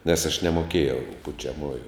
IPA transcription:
nʲɛs ɐʃ nʲɛmoːˈkʲeːjɛʊ pʊt͡ʃʲɛˈmuːjʊ

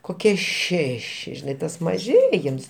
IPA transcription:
koːˈkʲiɛ ˈʃʲæːʃʲɪ ʒʲɪˈnɐɪ tɐs mɐˈʒʲeːjɪms

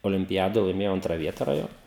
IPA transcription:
oːlʲɪmʲpʲɪˈjæːdoːj lˠɐɪˈmʲeːjɛʊ ˈɐntrɐ ˈʋʲiɛtɐ rɐˈjoːn

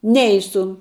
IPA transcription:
ˈnʲɛɪsʊ

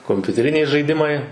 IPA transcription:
koːmʲpʲʊtʲɛˈrʲɪnʲɛɪ ʒɐɪˈdʲɪmɐɪ

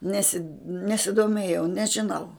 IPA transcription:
ˈnʲæːsʲɪt nʲɛsʲɪdoːˈmʲeːjɛʊ nʲɛʒʲɪˈnɐʊ

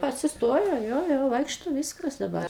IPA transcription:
ɐtʲsʲɪˈstoːjoː ˈjoː ˈjoː ˈʋɐɪkʃtoː ˈʋʲiːskɐs dɐˈbɐr

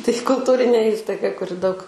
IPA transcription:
tɐɪ kʊlˠˈtuːrʲɪnʲeː ˈiːstɐɪɡɐ kʊˈrʲɪ dɐʊk

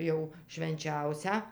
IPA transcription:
ˈjɛʊ ʃʲʋʲɛnʲˈt͡ʃʲɛʊsʲæː

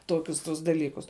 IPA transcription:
ˈtoːkʲʊs tʊs dɐˈlʲiːkʊs

